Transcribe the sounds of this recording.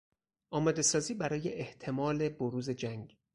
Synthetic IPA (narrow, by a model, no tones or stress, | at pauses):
ʔɒːmɒːd̪e̞sɒːziːbæɾɒːje̞ʔeht̪ʰe̞mɒːle̞boɾuːze̞d͡ʒæŋɡ